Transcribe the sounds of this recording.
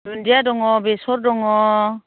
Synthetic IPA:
dundiadɔŋɔbesɔɾdɔŋɔ

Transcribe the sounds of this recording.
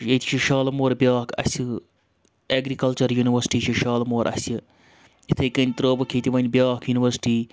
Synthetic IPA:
et̪ʰi̥ʃʰiʃaːlmoːɾbjaːkʰɐ̰sʲɨ | eːɡɾikɐlt͡ʃɐɾjuːniʋɐɾsi̥ʈiːʃiʃaːlmoːɾʔɐ̰sʲɨ | it̪ʰɐkɐnʲt̪ɾoːbɐkʰiːt̪iʋɐnʲbʲjaːkʰjuːniʋɐɾsi̥ʈiː

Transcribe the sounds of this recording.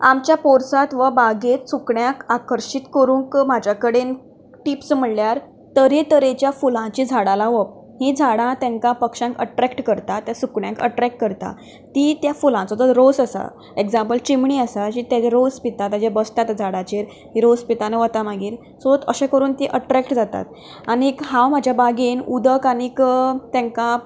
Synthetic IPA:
a̰mt͡ɕjapoɾsat̪ʋəbaɡet̪sukɳjãkakəɾɕit̪kəɾũːŋkmad͡ʑʱjakəɽen | ʈipsm̤əɳljaɾ | t̪əɾet̪əɾet͡ɕjafulãt͡ɕiːd͡zʱaɽalaʋəp̚ | ɦid͡zʱaɽãt̪jãŋkapəkʂãŋkə̰ʈɾɛkʈkəɾt̪at̪jasukɳjãŋkə̰ʈɾɛk̚ʈ̚kəɾt̪a̰ | t̪iːt̪jafulãt͡sɔt͡s̪əɾosəsa̰ | ekd͡zãmpəlt͡ɕimɳiːəsad͡ʑiːt̪jad͡ʑaɾospit̪ãt̪ad͡ʑabəst̪at̪d͡zʱaɽãt͡ɕeɾ | ɦiɾospit̪aneʋət̪amaɡiːɾ | soət̪əɕekəɾuːnt̪iʔəʈɾɛkʈd͡zat̪a̰t̪ | aɽ̃ikɦãwm̤ad͡ʑʱjabaɡiːnud̪əkanikt̪ãŋka

